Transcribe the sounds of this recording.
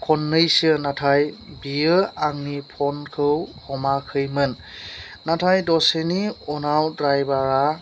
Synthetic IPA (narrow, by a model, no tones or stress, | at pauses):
kʰɔnːɯjsənatʰajbiəaŋnipʰɔnkʰɯwhɔmakʰɯjmɯnː | atʰajdɔseniɔnawdɹajbaɹa